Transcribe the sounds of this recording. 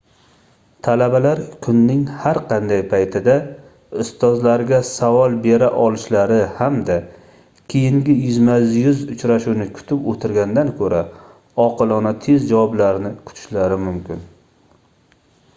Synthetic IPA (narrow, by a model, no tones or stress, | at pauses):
t̪ʰalabalaɾkʰʊnːɪŋhaɾqʰɑnd̪ajpʰajt̪ʰɪd̪a | ʊst̪ɒzlaɾɡʲasavɒlˠbe̞ɾaʔɒlɪʃlaɾɪhamd̪a | kʲʰejɪŋɡʲɪjʊzmazjʊzʊt͡ʃʰɾaʃunɪkʰʊ̥t̪ʰɪpot̪ʰɪɾɡʲand̪ankʰɵɾa | ɒqʰɨlˠɒnat̪ʰe̞zd͡ʒawɒblaɾɪnɪkʰʊ̥t̪ʰɪ̥ʃlaɾɪmʊmkʲʰɪn